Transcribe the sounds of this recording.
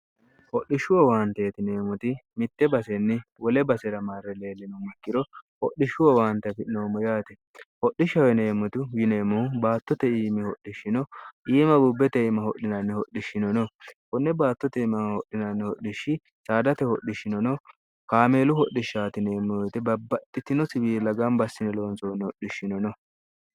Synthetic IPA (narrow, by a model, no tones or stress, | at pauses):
hɔɗːɪʃʊwɔwaːnt̪eːt̪ɪne̞ːmʊt̪ɪmɪt̪ːɛbɐsɛnːɪwɔlɛbɐsɛɾɐmaɾːɛle̞ːlːɛnɔmɐkːɪɾɔhɔɗɪʃʊwɔwaːnt̪ːɐfɪʔnoːmɔjaːt̪ɛ | hɔɗːɪʃːɐwɛne̞ːmːʊt̪ʊjɪne̞ːmːɔhʊbaːt̪ːɔt̪ɛiːmɪhɔɗːɪʃːɪnɔʔiːmɐbubːɛt̪ɛɪmɐhɔɗɪnɐnːɛhɔɗːɪʃːɪnɔnɔkɔnːɛbaːt̪ːɔt̪ɛɪmɐhɔʔːɪnɐnːɛhɔɗɪʃːɪ | saːd̪ɐt̪ɛhɔɗːɪʃɪnɔnɔ | kaːme̞ːlʊhɔʔːɪʃːaːt̪ɪneːmːɔjɔjt̪ɛbɐbːɐt̪ːɪt̪ːɪnɔsɪbiːlɐɡɐmbɐsːɪnɛlo̞ːnsoːnːɛhɔɗɪʃːɪnɔnɔ